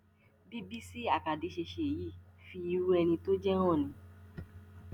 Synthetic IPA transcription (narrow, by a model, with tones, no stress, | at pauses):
bi˦bi˦si˦a˨ka˨di˨˦ʃe˧ʃe˧˨ji˦˨fi˧i˦˧˦ɾu˦ɛ˧nĩ˧to˦d͡ʒɛ˦ɾ̃ɔ̃˦˨nĩ˨˧˦